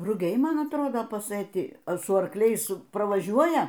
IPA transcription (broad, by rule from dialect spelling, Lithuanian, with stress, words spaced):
rʊˈɡʲɛɪ ˈmɐn ɐtˈroːdoː pɐsɘˈtʲɪ sʊ ɐrˈklʲɛɪs prɐʋɐˈʒʲuɔjɛ